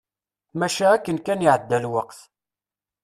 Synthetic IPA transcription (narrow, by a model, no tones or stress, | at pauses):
mæʃaækːənkæniʕəd̪ːælwəqθ